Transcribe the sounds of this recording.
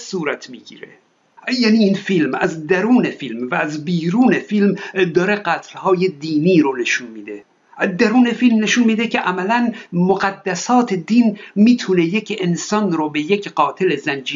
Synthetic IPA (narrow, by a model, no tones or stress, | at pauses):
suːɾæt̪ʰmiːɡḭːɾḛ | jæːniːiːnfilmæzd̪æɾuːnefilmvæːzbiːɾuːnefilmd̪ɒːɾe̞ɢæt̪ʰlhɒːjed̪iːniːɾone̞ʃunmiːd̪e̞ | d̪æɾuːne̞filmne̞ʃunmiːd̪ekʰeʔæmælænmoɣæd̪ːæsɒːt̪ʰed̪inmiːt̪ʰune̞jecʰensɒnɾobe̞jecɢ̥ɒːt̪ʰe̞lezænd͡ʒiː